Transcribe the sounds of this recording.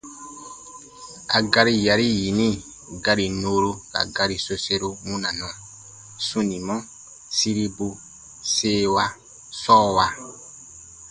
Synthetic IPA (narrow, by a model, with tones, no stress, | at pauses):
a˨ɡa˧ɾi˦ja˨ɾi˦ji˨nĩ˦ | ɡa˧ɾi˨noː˦ɾo˦ka̰˨ɡa˦ɾi˨so˧se˦ɾo˦mũ˦nã˨nũ˨a˨ | sũ˦nĩ˨mɔ̃˦ | si˦ɾi˦bu˦ | se˦wa˦˧ | sɔː˦wa˨